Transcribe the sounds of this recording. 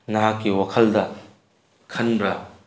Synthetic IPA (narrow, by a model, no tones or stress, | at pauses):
nɐɦakːiwakʰɐldɐ | kʰɐnbɾɐ